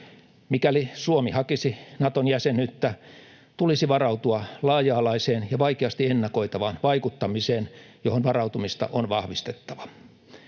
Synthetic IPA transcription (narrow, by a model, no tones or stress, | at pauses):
mikælisuomihɑkisinɑt̪onjæsenyt̪ːæ | t̪ulisiʋɑrɑut̪uɑlɑːjɑːlɑiseːnjɑʋɑikeɑst̪ienːɑkoit̪ɑʋɑːnʋɑikut̪ːɑmiseːnjohonʋɑrɑut̪umist̪ɑ̰ʔonʋɑhʋist̪et̪ːɑʋɑ